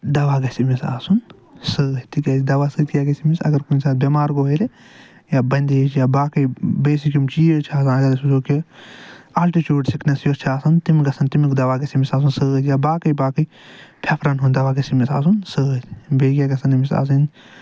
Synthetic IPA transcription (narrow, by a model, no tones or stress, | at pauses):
d̪ɐʋaːɡɐsimisa̰ːsun | sɨːɐt̪ikʲɐd͡ʒd̪ɐʋaːsɨːt̪jaɡɐsimisɐ̰ɡɐɾkunʲsaːt̪bʲemaːɾɡoɦɐɾe | jabɐnʲd̪eːt͡ʃʰjaːbaːkɐjbeːs̬ikʲumt͡ʃiːt͡ʃʰaːsãːɡɐdɐsud͡ʒoːke | alʈit͡ʃuːɖsiknɐsjoɾt͡ʃʰaːsɐnt̪imɡɐsʰɐnt̪imikd̪ɐʋaːɡɐsimisaːs̬unsɨɐt̪jaːbaːkɐjbaːkɨj | pʰepʰɾɐnɦund̪ɐʋaːɡɐsimisa̰ːsunsɨːɐt̪beːɡʲjaɡɐsɐnimisa̰ːs̬ɐn